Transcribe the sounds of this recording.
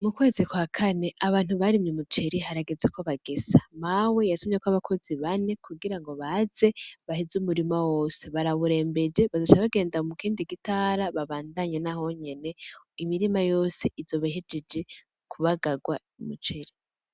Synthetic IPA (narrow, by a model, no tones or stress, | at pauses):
mukwe̞ːzikwakʰane̞ʔaβaːn̥huβaɾimɲimut͡ʃe̞ɾiɦaɾaɡezekʰo̞βaɡ̥ezamawe̞jasumekoaβakʰo̞ziβane̞kʰuɡiɾaŋɡo̞βaze̞βahizumuɾimawo̞ːse̞βaɾaβuɾe̞ːmbe̞d͡ʒeβazot͡ʃaβaɡe̞ːndamukiːndiɡitaɾaβaβaːndaɲanaɦo̞ɲe̞ne̞ | imiɾimajo̞ːse̞ʔivzo̞βaɦed͡ʒed͡ʒe̞ | kʰuβaɡaɡwa | imṵt͡ʃe̞ɾi